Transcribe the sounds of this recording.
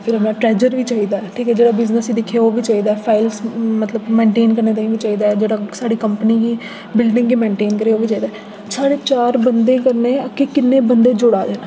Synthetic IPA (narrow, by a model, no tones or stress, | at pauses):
pʰɪɾəmɛ̃ːʈɾɛːd͡ʒəɾʋiːt͡ʃaːiːd̪aːɛʈʰiːkɛːd͡ʒeːɽaːbɪznəsiːd̪ɪkʰːeoːʋiːt͡ʃaːiːd̪aːɛpʰaːɪlsmət̪ləbmẽːɳʈeːnkəɾneːt̪aĩːʋiːt͡ʃaːiːd̪aːɛd͡ʒeːɽaːsaːɽiːkəmpəniːɡiː | bɪlɖɪ̃ŋɡɡiːmẽːɳʈeːnkəɾeːoːʋiːt͡ʃaːiːd̪aːɛ | saːɽeːt͡ʃaːɾbənd̪ẽːkəɾneːəkekɪnːẽːbənd̪eːd͡ʒʊɽaːd̪eːnaː